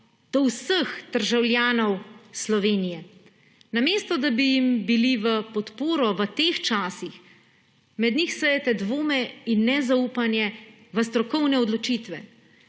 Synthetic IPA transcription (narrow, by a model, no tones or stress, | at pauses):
d̪̥ɔwsəxd̪̥əɾʒawlʲjaːnɔwslɔʋeːnijɛ | nameːst̪ɔd̪abijimbiliʋəpɔt̪poːɾɔʋət̪eːxt͡ʃaːsix | mɛd̪nixsəjɛt̪ɛd̪ʋoːmɛinːɛzaupanjɛ | ʋəs̬t̪ɾɔkɔwnɛɔd̪lɔt͡ʃiːt̪ʋɛ